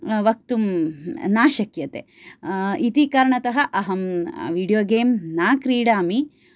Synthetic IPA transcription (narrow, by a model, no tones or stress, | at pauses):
ʋɐk̚t̪umnaːʃɐkjɐt̪ḛː | it̪ikɐɾɐɳɐt̪ɐɦɐʔɐɦɐmʋiːɽijoːɡeːmnaːkɾiːɽaːmi